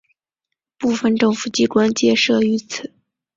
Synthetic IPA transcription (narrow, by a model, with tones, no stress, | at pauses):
pu˥˩fə˥˧nʈ͡ʂɤ˥˧ŋfu˥˩t͡ɕi˥˩kwa˥nt͡ɕjɛ˥˧ʂɤ˥˩y˧˥t͡sʰɹ̩˨˩˦